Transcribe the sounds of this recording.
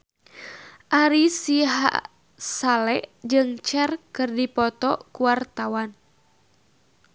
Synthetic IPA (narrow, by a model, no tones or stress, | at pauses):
ʔaɾisiɦa̰ | salɛʔd͡ʒɨŋt͡ʃɛrkɨrdipɔt̪ɔkuwart̪awan